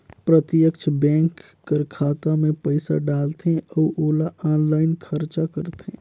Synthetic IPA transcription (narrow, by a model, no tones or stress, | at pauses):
pɾət̪ɪjəkt͡ʃʰbɛ̃ːŋkː | əɾkʰaːt̪amẽpəɪsa̰ɖaːlt̪eɔːʔoːlaʔaːnlaːɪnkʰəɾt͡ʃakəɾt̪ḛ̃ː